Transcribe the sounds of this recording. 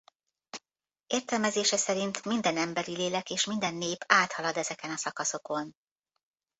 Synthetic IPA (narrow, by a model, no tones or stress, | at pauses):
eːrt̪ɛlmɛzeːʃɛsɛɾint̪mind̪ɛnɛmbɛɾileːlɛkeːʃmind̪ɛnːeːpaːt̪hɒlɒd̪ɛzɛkɛnɒsɒkɒso̞ko̞n